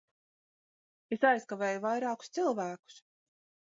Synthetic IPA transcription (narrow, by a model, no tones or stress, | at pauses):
esajskaveːjuvajɾaːku̥st̪silˠvæːku̥s